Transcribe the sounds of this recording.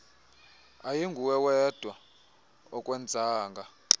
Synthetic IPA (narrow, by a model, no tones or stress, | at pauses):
ajiŋɡʱuwɛwɛd̥ʱwa | ɔkʼwɛnd͡zʱaːŋɡʱa